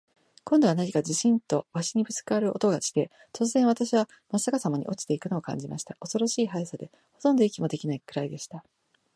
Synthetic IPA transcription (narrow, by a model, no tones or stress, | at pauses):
kõ̞nd̪o̞β̞anaɲ̟ikad͡ʑiɕĩnt̪o̞βaɕiɲ̟ibɯ̟t͡sɨ̥kɯaɾɯ̟ʔo̞̰t̪o̞ɡat͡ɕi̥t̪e̞ | t̪o̞t͡sɨzẽɰ̃βat̪aɕiβa | masakasamaɲ̟ḭʔo̞t͡ɕi̥t̪e̞ikɯ̟no̞ːkã̰ɲ̟d͡ʑimaɕi̥t̪aʔo̞so̞ɾo̞ɕiːɦaisad̪e̞ | ho̞t̪õ̞nd̪o̞ikʲimo̞d̪e̞kʲinaikɯ̟ɾaid̪e̞ɕi̥t̪a